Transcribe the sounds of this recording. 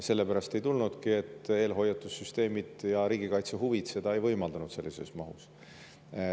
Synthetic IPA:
se̞lːe̞pæɾɑst̪e̞jt̪ulnud̪̥kie̞t̪ːˑe̞ːlɦo̞jɑt̪ːˑussyst̪e̞ːmid̪̥jɑɾiːɡ̥ikɑjt̪seɦuvid̪se̞d̪ɑe̞jvɤjmɑld̪ɑnud̪se̞lːise̞smɑɦṵs

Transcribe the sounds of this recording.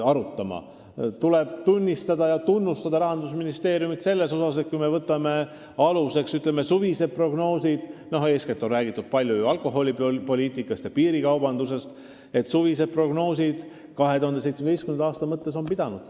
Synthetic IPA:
ɑɾut̪ːˑɑmɑ̰ | t̪uleb̥̚t̪unʲːist̪ɑd̪ɑjɑt̪unːust̪ɑd̪ɑɾɑɦɑnd̪usminist̪e̞ːɾijumit̪se̞lːe̞so̞sɑs̬e̞t̪̚kujme̞vɤt̪ːˑɑme̞ | ɑluse̞ksyt̪ˑlemesuvise̞d̪̚pro̞ɡno̞ːsid̪̥no̞ɦe̞ːsket̪ːˑo̞nræːɡit̪ːˑud̪̥̚pɑlʲjujuɑlko̞ɦo̞lʲipo̞lʲiːt̪ːˑikːˑɑst̪jɑpiːɾikɑwbɑnd̪use̞st̪ | e̞t̪suvised̪̚pro̞ɡ̥no̞ːsid̪̥ | kɑɦe̞t̪uhɑnd̪ese̞jt̪smed̪ejskymenɑɑːst̪ɑmɤt̪ːe̞so̞npid̪̥ɑnud̪̥

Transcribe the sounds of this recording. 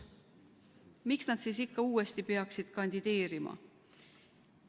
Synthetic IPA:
miksnɑd̪̥siːsikːɑuːest̪ipeɑksid̪̥kɑnʲd̪̥id̪̥e̞ːɾimɑ̰

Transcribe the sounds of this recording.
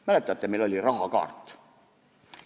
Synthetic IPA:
mælet̪ːˑɑɑt̪ːemelo̞lʲirɑɦɑkɑ̰ːrt̪ːˑ

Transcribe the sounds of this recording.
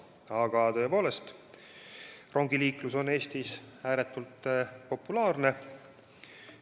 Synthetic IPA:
ɑɡ̥ɑt̪ø̞po̞ːle̞st̪ | rʔo̞ŋɡiliːkluso̞ne̞ːst̪isæːɾet̪ːˑult̪ːpo̞pːulɑːrne̞

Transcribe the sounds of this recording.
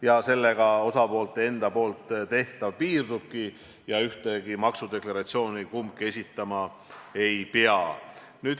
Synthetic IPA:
jɑse̞lːeɡ̥ɑo̞sɑpo̞ːlt̪ːˑe̞nd̪̥ɑpo̞ːlt̪ˑt̪e̞ht̪ɑvpiːrd̪̥ub̥̚ki | jɑyht̪eɡimɑksud̪e̞klɑɾɑt̪sio̞ːnikumkie̞sʲit̪ːˑɑmɑe̞jpeɑ | nyːd̪̥

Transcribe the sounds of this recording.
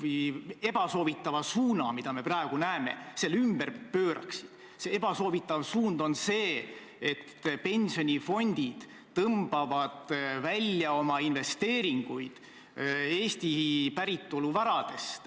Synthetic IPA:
vuje̞b̥ɑso̞ːvit̪ːˑɑvɑsuːnɑ̰mid̪̥ɑme̞prɑeɡ̥unæeme̞̰se̞lːymb̥erpøːɾɑ̰ksid̪̥ | see̞b̥ɑso̞ːvit̪ːˑɑvsuːnd̪̥o̞nse̞ː | et̪ːpe̞nʲsio̞nʲifo̞nʲd̪̥id̪̥ː | ɤmb̥ɑvɑd̪̥vælʲjɑo̞mɑinve̞st̪e̞ːɾiŋɡ̥ujd̪̥ | e̞ːst̪ipæɾit̪ːˑoluvɑɾɑd̪̥e̞st̪

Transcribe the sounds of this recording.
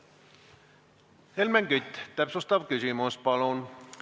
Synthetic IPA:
helmæŋkyt̪ʲːt̪æpsost̪ɑʋkysymuspɑlon

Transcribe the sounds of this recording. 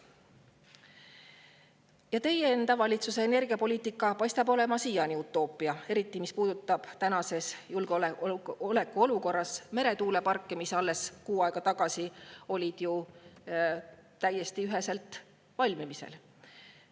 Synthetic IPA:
jɑt̪e̞jeend̪̥ɑvɑlʲit̪suse̞ːne̞rɡ̥iɑpo̞liːt̪ˑikːˑɑpɑjst̪ɑbo̞le̞mɑsijɑniut̪ːˑo̞ːpːˑiɑe̞ɾit̪ːˑimispuːd̪̥ut̪ːˑɑb̥t̪ænɑse̞sjulɡ̥ole̞kːˑuo̞luko̞rːɑsme̞ɾe̞t̪uːle̞pɑrkːemisɑlːe̞skuːɑeɡ̥ɑt̪ɑɡ̥ɑsio̞lʲid̪̥ju | t̪æjːe̞st̪iyɦe̞se̞lt̪ˑ | vɑlʲmimisḛl

